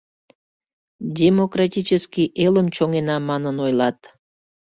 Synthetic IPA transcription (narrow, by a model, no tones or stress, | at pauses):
dʲemokrɑtʲit͡ʃəskʲiʔeləmt͡ɕoŋenɑmɑnənojlɑt̪